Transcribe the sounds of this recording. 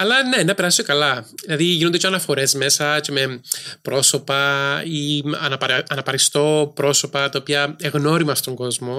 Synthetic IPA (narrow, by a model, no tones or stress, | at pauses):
ɐlɐne̞nɐpe̞ɾɐsi̥okɐlɐðilɐðiʝinond̪etʰcʰoɐnɐfo̞ɾe̞zme̞sɐce̞me̞pɾo̞so̞pɐiɐ̰nɐɐnɐpɐɾist̪o̞pɾo̞so̞pɐt̪ɐopiɐeɣno̞ɾimɐst̪o̞ŋɡo̞zmo̞